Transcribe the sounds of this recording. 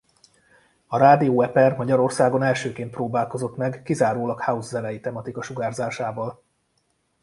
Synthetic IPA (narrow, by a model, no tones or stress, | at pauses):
ɒɾaːd̪ioːɛpɛrmɒɟɒɾo̞rsaːɡo̞nɛlʃøːkeːnt̪proːbaːlko̞zo̞t̪mɛɡːizaːɾoːlɒkhauzːɛlɛjit̪ɛmɒt̪ikɒʃuɡaːrzaːʃaːvɒl